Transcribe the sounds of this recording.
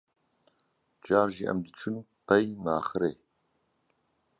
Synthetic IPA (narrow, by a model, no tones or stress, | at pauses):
d͡ʒaːɾʒiʔɐ̰md̪ɨt͡ʃʰun | pɐjnaːxɨɾeː